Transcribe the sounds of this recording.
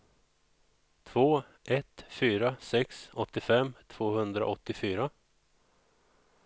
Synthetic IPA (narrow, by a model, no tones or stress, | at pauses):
t̪ʰvoː | ʔɛt̪fyːɾasɛksɔt̪ːɪfɛmːt̪ʰv̥oːhɵnd̪ɾa̰ʔɔt̪ːɪfyːɾa